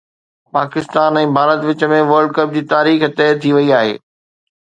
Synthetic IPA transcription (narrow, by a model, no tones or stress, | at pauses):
paːkɪst̪aːnɛ̃ːbʱaːɾət̪ʋɪt͡ɕə̆mẽʋəɾɖ̚kɐp̚d͡ʑiːt̪aːɾiːxt̪ɛːt̪ʰiʋɐiaːɦḛː